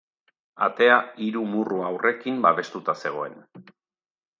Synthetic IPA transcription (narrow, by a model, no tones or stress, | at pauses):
a̰t̪e̞aiɾumuruawrʔe̞kimbaβe̞st̪ut̪ase̞ɣ̞o̞e̞n